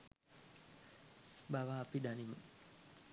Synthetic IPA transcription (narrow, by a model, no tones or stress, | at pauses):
bawapidanimu